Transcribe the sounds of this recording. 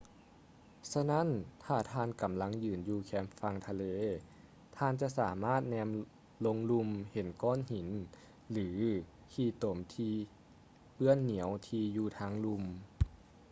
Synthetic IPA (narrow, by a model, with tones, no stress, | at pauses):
sa˧na˥˨nt̪ʰaː˧˩t̪ʰaː˧nka˩˦mla˧˥ŋjɯː˨˩njuː˧kʰɛː˧˥mfa˧ŋt̪ʰa˧leː˧ | t̪ʰaː˧˨nt͡ɕa˧ʔsaː˩˦maː˥˩t̪̚nɛː˧m | lo˧ŋlu˧mhe˩˦nkɔː˧˥˨nhi˨˩˦n | lɯː˩˦ | kʰiː˧t̪o˨˩˦mt̪ʰiː˧ | pɯ˧˩ənːi˨˩˦əwt̪ʰiː˧juː˧t̪ʰaː˧˥ŋlu˧m